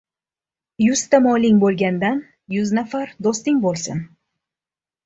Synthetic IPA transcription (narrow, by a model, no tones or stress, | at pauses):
jʊst̪amɒlɪŋbolˠɡʲand̪an | jʊznafaɾd̪ost̪ɪŋbolˠsɪ̰n